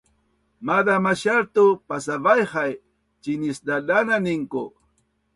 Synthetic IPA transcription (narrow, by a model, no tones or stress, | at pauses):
mad̪amaʃaɾt̪ʊpasabajhaj | t͡ʃɪnɪsd̪alananɪŋkʊ